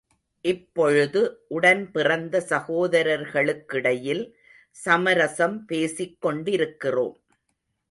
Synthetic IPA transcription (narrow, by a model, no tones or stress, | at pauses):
ʔɪpːɔɻɯðɯʔʊɽɐnpɪrɐnd̪ɐsɐɣoːðɐɾɐɾɣɐɭɯkːɪɽɐjɪl | sɐmɐɾɐsɐmpeːsɪkːɔɳɖɪɾɯkːɪro̰ːm